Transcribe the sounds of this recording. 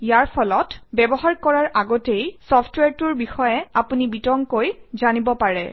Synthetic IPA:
ijaɹpʰɔlɔtbɛbɔɦaɹkɔɹaɹaɡɔtejsɔpʰtweɹtuɹbixɔjɛapunibitɔŋkojzanibɔpaɹɛ̰

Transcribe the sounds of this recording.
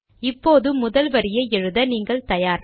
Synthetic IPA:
ɪpːoːðɯmːʊðɐlʋɐɾɪjɐɛɻɯðɐniːŋɡɐɭt̪ɐjaːɾ

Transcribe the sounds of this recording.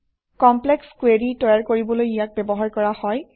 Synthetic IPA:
kɔmplɛkskweɹitɔjaɹkoɹibɔlojijak̚bɛbɔɦaɹkɔɹahɔj

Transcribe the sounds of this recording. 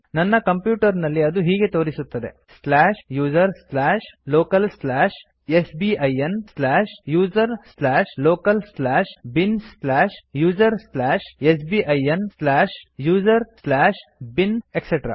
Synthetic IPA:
nɐnːɐkɐmpjuːʈɐɾnɐlːiɐd̪uɦiːɡe̞t̪o̞ːɾisut̪ːɐd̪e̞̰ | slaːʃjuːd͡ʒɐɾslaːʃloːkɐlslaːʃ | esbiːʔɐjenslaːʃjuːd͡ʒɐɾslaːʃloːkɐlslaːʃbinslaːʃjuːd͡ʒɐɾslaːʃesbiːʔɐjɐnslaːʃjuːd͡ʒɐɾslaːʂbinekseʈɾa̰ː

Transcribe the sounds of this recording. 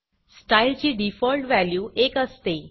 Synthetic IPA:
sʈailt͡ɕiːɖifɔlʈʋæljuːʔekəst̪e

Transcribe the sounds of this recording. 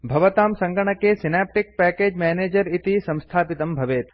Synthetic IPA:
bʱɐʋɐt̪aːmsɐ̃ŋɡɐɳɐkeːsinaːp̚ʈik̚pɛːkeːd͡ʒmɛːneːd͡ʒɐɾit̪isɐ̃w̃st̪ʰaːpit̪ɐmbʱɐʋeːt̪

